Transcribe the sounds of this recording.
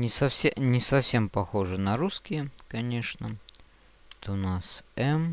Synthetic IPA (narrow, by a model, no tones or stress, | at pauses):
nʲɪsɐfsʲenʲɪsɐfsʲe̞mpɐxo̞ʐɨnɐɾuskʲɪjəkɐnʲe̞ʂnə | t̪oʊnasɛm